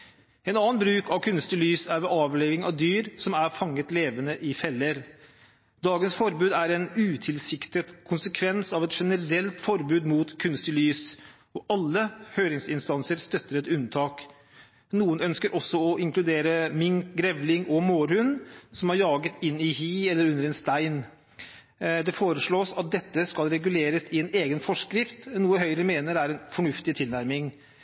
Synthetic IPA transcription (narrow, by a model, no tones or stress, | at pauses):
ɛnɑːənbɾʉːkɑʋkʰʉnst̪ɪlyːsæɾʋɛːʔɑːʋleːʋɪŋɑ̰ʋd̪yːɾsɔmæɾfɑŋːət̪leːʋənəʔɪfɛlːəɾ | d̪ɑːɡənsfɔɾbʉːd̪æɾɛnʉːt̪ʰɪlsɪkt̪ət̪kʰʊnsəkʰʋɛnsɑʋɛt̪ʂɛnəɾɛlt̪fɔɾbʉːd̪muːt̪kʰʉnst̪ɪlyːs | ɔʔɑlːəhøːɾɪŋsɪnst̪ɑnsəɾst̪œt̪ːəɾɛt̪ʉnt̪ʰɑːk | nuːənœnskəɾʔɔsːɔɔʔɪŋklʉd̪eːɾəmɪŋkɡɾɛʋlɪŋɔmoːɾhʉnːsɔmɑɾjɑːɡət̪ɪnːɪhiːɛlːəɾʉnəɾɛnst̪æɪn | d̪ɛfoːɾəʂɭoːsɑt̪̚d̪ɛt̪ːəskɑlɾɛɡʉleːɾəsɪɛneːɡənfɔʂkɾɪft̪nuːəhœʏɾəmeːnəɾæɾɛnfɔɳʉft̪ɪt̪ʰɪlnæɾmɪŋ